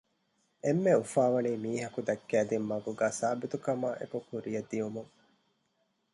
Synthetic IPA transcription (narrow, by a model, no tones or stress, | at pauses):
emːeufaːʋɐniːmiːɦɐkud̪ɐkːæːd̪imːɐɡuɡaːsaːbit̪ukɐmaːʔḛkukuɾijɐd̪ːijumuŋ